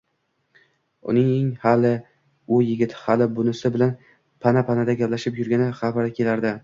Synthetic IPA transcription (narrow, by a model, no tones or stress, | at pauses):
ʊ̰nɪŋeŋhalɪ | ʊjɪɡʲɪt̪ʰhalɪbʊnɪsɪbɪlan | pʰanapʰanad̪aɡʲaplaʃɪpjʊɾɡʲanɪχabaɾakʲʰe̞laɾd̪ɪ